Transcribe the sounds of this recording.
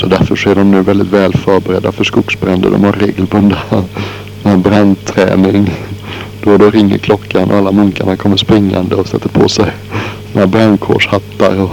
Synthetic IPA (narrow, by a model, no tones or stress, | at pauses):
sɔd̪æɾfœʂɔæɖɔmnʉ̟ːvɛld̪ɪt̪vɛːlfœɾbɛɾɛd̪ːafœʂkʊksbɾɛnd̪ə̰d̪ɔ̰mhaɾɾeːɡəlbɵnd̪a | abɾand̪t̪ʰːɾɛ̰ːnɪŋ | d̪̥ɔd̪ɔɾɪŋːə̰ɾkʰlɔkʰːanʔɔ̰alːamɵŋkaɳakʰɔmːəʂpɾɪŋːa̰nd̪əɔsɛt̪ʰːəɾpʰo̰sɛj | sinabɾankʰo̰ːʂhat̪ːaɾɔ